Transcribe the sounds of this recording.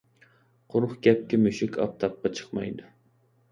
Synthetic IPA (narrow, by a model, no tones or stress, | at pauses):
qʰʊɾχkʲɛp̚kʲimyʃɪkʲʰɑ̰p̚t̪ʰɑp̚qɑt͡ʃʰə̥χmɑ̰jd̪ʊ